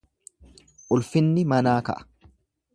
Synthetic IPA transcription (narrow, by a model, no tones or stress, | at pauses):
ʔʊlfɪnːɪmɐnaːkɐ̰ʔɐ̥